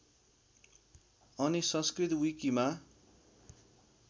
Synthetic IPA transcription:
ʌnisʌ̃nskrit̪wikima

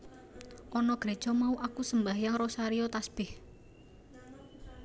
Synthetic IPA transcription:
ʔɔnɔɡ̥ɾe̥ʒ̥ɔ̤mauʔakusəmbahjaŋɾɔsaɾiɔt̪asb̥ɪh

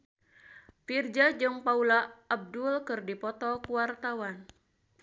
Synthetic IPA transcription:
fird͡ʒad͡ʒɨŋpaulaab̚dulkɨrdipɔt̪ɔkuwart̪awan

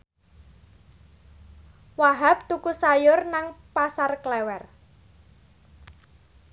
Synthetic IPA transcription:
waɦap̚t̪ukusajʊrnaŋpasarklɛwɛr

